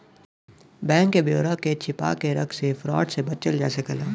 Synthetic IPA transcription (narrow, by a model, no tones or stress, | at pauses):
bɛ̃ːŋkːebjoːɾaket͡ʃʰɪpa̰ːkeɾɐksefɾɔːʈsebɐt̪̚t͡ʃəld͡ʒɛːsekɐlaː